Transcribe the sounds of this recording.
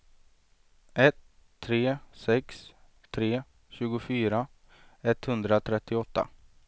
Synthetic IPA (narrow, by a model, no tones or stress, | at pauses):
ʔɛt̪ʰː | ɾeːsɛks | t̪ʰɾeː | ɕʉ̟ːɡʊfyːɾa | ɛt̪ːhɵnd̪ɾat̪ʰɾɛt̪ːɪɔt̪ːa̰